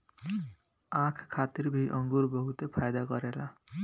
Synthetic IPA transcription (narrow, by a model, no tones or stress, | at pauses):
ãkʰkʰːat̪irbʱiʔʌŋɡurbʌɦut̪epʰajd̪aɡʌɾela